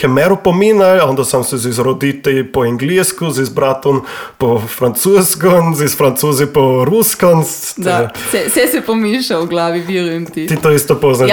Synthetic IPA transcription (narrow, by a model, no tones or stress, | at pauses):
kɛmɛɾupɔmiːnalɔ̃nd̪asamsɛzizɾɔd̪it̪ɛlpɔɛŋɡliːskuzizbɾat̪ɔnpɔfɾant̪suːskɔnzisfɾant̪suːzipɔɾuskɔnst̪sɛsɛsɛpɔmiːʃawɡlaːʋiʋiːɾuɛmt̪it̪it̪oist̪ɔpɔzna